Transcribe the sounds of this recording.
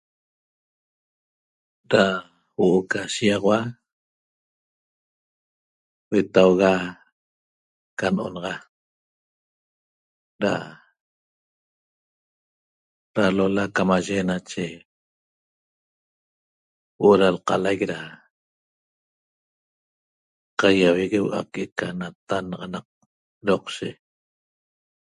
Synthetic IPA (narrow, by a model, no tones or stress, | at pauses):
ɾa | woʔokaʃiɑʁwa | wet̪awɣa | kanʔo̰nɑʁɑ | ɾa̰ | ɾalolakamaʒenat͡ʃe | wʔoɾalqɑ̰lajkɾa | qajaweɣewʔa̰keʔkanat̪anɑʁɑnɑq̚ | ɾoqʃe